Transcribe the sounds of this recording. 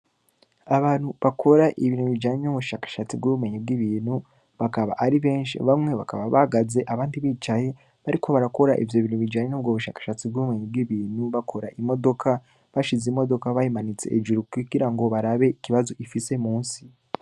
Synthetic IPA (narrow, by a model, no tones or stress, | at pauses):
aβaːn̥huβakʰo̞ɾaʔiβiːnhuβid͡ʒaːɲenoβuʃaːkḁʃat͡sibɡuβumeɲibɡiβiːnhu | βakaβa̰ʔːɾiβe̞ːnʃḭβamŋe̞βakaβaβaɡaze̞ʔaβaːndiβiːt͡ʃaje̞ | βaɾikʰo̞βaɾako̞ɾaʔivjo̞βinhuβid͡ʒaːɲenoβɡoβuʃakḁʃat͡sibɡuumeɲibɡiβiːn̥huβakʰo̞ɾaʔimo̞do̞kʰa | βaʃizimo̞do̞kaβajimanit͡se̞̰ʔed͡ʒuɾukiɡiɾaŋɡo̞βaɾaβe̞iciβazo̞ʔifise̞muːnsi̥